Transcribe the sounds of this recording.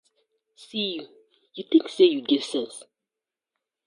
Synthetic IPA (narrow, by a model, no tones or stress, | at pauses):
siju | juθɪ̃ŋksejuɡɛvsɛ̃ns